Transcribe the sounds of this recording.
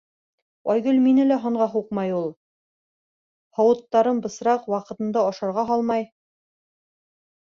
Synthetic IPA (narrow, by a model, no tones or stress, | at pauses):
ɒjɡɵlminɘlæɦŏɴʁɑɦuqmɑjulˠ | hɑwɤ̆t̪ːɑɾɤnbɤ̆sɾɑqwɑqɤ̆t̪ɤ̆nd̪ɑɑʃɑɾʁɑɦɑlˠmɑj